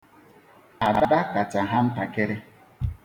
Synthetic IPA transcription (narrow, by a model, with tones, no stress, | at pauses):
a˨ba˨˦˨da˦ka˨t͡ʃa˨ɦa˦m̩˦pa˨ke˦ɾe˦